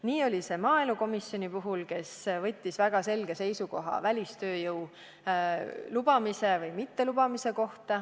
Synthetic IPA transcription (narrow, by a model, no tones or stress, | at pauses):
niːo̞lʲise̞mɑːeluko̞misːjo̞nʲipuɦulke̞svɤ̞t̪ʲːisvæɡ̥ɑse̞lɡ̥e̞se̞jsuko̞ɦɑ̰vælʲist̪ø̞ːjɤw | lub̥ɑmise̞vɤjmit̪ːe̞lubɑmise̞ko̞ht̪ɑ